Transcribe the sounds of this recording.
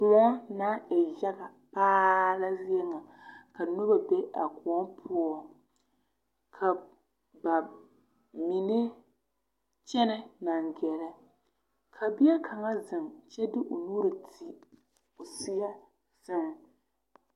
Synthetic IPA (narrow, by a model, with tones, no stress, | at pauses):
pʊ˨ɔ˦naː˦ɛ˨ja˦ɡa˨ | paː˦la˦zi˦ɛ˦ŋa˨ka˨nu˦ba˨be˦ʔa˨ku˨ɔ˦mpʰʊ˦ɔ˨ | kʰa˨ | ba˨ | mi˨nɪ˦ | t͡ʃɛ˦nɛ˦na˨ŋɡɛ˨lɛ˦ | kʰa˨bi˦ɛ˦kʰa˨ŋa˦zɨ˨mt͡ʃɛ˦dɪ˦ʔo˨nuː˦ɾɨ˨tʰi˨ | o˨si˦ja˦ | sa˦ŋ˨